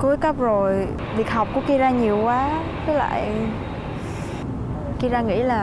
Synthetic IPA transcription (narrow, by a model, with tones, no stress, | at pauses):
ko˨˦jkə˦˥p̚zo˨˩j | vi˨˩ək̚ha˨˩wk͡p̚kṵ˧˥əki˧zaː˧ɲi˨˩əwkwaː˨˦ | kə˨˦la̰ː˧˨j | ki˧zaː˧ŋḭ˧˥laː˨˩